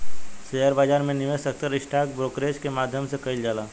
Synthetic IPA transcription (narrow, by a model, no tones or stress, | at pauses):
sejəɾbaːd͡ʒaːɾmẽnɪʋesək̚t̪əɾɪsʈʰaːk̚bɾoːkɾeːskemaːd̪ʱjəmsekɐɪld͡ʒaːlaː